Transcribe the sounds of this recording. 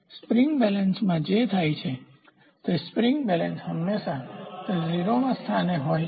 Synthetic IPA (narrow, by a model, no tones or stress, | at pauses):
spɾiŋɡbɛlənsmãd͡ʒet̪ʰajt͡ʃʰe | t̪espɾiŋɡbɛlənsɦəmːesat̪əd͡ʒɾiɾomãst̪ʰaneɦoj